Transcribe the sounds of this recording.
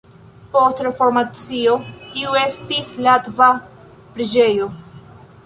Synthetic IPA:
po̞stɾefo̞ɾmat͡sio̞tiue̞stislatva | pɾid͡ʒejo̞

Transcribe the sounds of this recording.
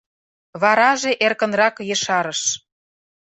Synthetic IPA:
βɑɾɑʒeʔerkə̆nrɑkjeʃɑɾəʃ

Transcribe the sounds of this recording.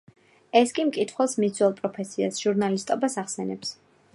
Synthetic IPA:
ɛskʼimkʼit̪ʰχwɛlˠsmizʰwɛlˠpʼɾɔpʰɛsʰia̰sʒ̥uɾnalist̪ʼɔbasaχsɛnɛ̰ps

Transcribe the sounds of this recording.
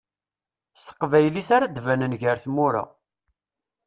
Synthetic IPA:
st̪ə̥qvæjliθaɾad̪vænənʝəɾθmʊɾa̰

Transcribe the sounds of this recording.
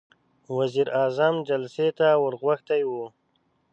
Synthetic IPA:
waziɾɑzamd͡ʒalset̪awəɾɣwaxt̪ajwu

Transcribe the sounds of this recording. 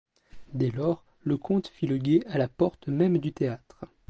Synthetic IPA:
d̪ɛlɔːʁ | ləkʰɔ̃t̪filəɡʲealapɔʁt̪mɛmd̪yt̪eat̪χ

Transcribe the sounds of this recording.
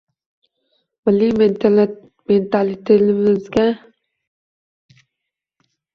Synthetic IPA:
mɪlːim | ment̪ʰalɪt̪ʰelɪmɪzɡʲa

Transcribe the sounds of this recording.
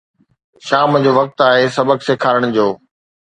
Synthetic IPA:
ʃaːmd͡ʑoːʋɐk̚t̪aːɦesɐbəkseːkʰaːɾəɽ̃d͡ʑoː

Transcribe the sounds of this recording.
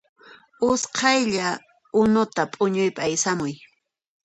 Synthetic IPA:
ʊsqʰɑjʎa | ʊnʊt̪apʼʊɲʊjpaajsamʊj

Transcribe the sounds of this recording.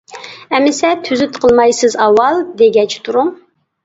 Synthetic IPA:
ɛmɪsɛt̪ʰyzyt̪qʰəlˠmɑjsɨzɑwːɑlˠd̪eɡʲɛt͡ʃʰt̪ʰuɾuŋ

